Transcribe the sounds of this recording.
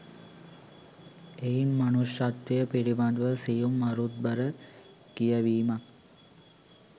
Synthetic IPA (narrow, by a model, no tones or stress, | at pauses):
ejimmanuʃat̪ʋejəpiɾibad̪ʋəsijumːaɾut̪̚bəɾə | kijəʋiːmak̚